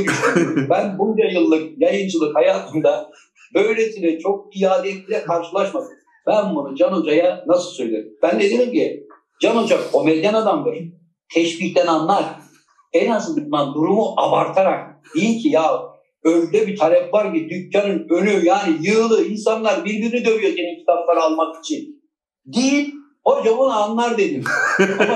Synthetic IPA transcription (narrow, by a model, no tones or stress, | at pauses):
biʃeibænbund͡ʒajɯlˠːɯk̚jajɯnd͡ʒɯlˠɯkhajaːt̪ʰɯnd̪a | bøjlʲesinɛt͡ʃʰo̞k̚ijaːd̪jɛt̪̚bilʲɛkʰaɾʃɯlˠaʃmasɯm | bænbunud͡ʒanod͡ʒajanasɯlˠsø̞jlʲieɾimbænd̪ed̪iimcʰi | d͡ʒanod͡ʒako̞meɟʲanad̪amd̪ɯɾ | t̪ʰɛʃbiclʲɛnanlˠaɾ | ɛnasɯlˠd̪ik̪nand̪uɾumuʔabaɾt̪ʰaɾak̚d̪ejincʰijaː | ølʲd̪ɛbit̪ʰalʲɛfvaɾɟibid̪ycʰːanɯnønyjaːnijɯlˠɯinsanlˠaɾbiɾbynnyd̪ø̞vyjoɟenicʰi̥t̪ʰaplˠaɾalˠmaki̥t͡ʃʰin | d̪ijilʲ | ho̞d͡ʒambunaanlˠaɾd̪e̞d̪im